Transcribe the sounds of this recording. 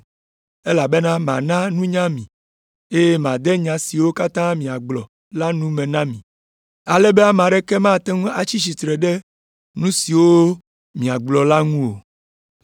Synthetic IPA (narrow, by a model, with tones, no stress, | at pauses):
e˦la˨be˦nã˦mã˨nã˦nũ˦ɲã˦mĩ˨ | e˦je˦mã˨d̪ɛ˦ɲã˨si˨wo˦ka˦t̪ã˦mĩ˨a˨ɡ͡blɔ˨ | la˦nũ˦mẽ˨nã˦mĩ˨ | a˨lɛ˦bɛ˦a˦m˨ã˨ɖɛ˦kɛ˦mã˦t̪ɛ˦ŋũ˦a˨t͡ɕi˦s̬i˨t̪ɾɛ˨ɖɛ˦ | nũ˦si˨wo˦ | mĩ˨a˨ɡ͡blɔ˨la˦ŋũ˦wo˨